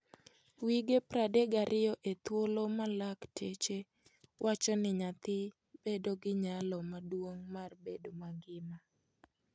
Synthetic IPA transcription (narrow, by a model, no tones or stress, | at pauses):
wiɡepɾadeɡaɾʔɪjɔʔet̪wolomalaktʰet͡ʃe | wʔat͡ʃɔnɪɲat̪ɪ | b̥edoɡɪɲalɔmadwoŋmarbedomaɡɪma